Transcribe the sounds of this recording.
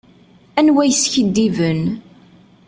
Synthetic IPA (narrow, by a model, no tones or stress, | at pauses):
ænwæjsçəd̪ːivən